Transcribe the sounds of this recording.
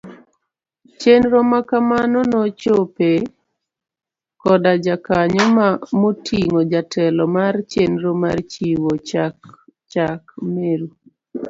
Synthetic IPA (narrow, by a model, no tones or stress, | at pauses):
t͡ʃenɾomakamanonot͡ʃope | kɔdad͡ʒakaɲɔmamotʰiŋod͡ʒatʰɛlɔmart͡ʃenɾomart͡ʃiwot͡ʃak | t͡ʃakmeɾu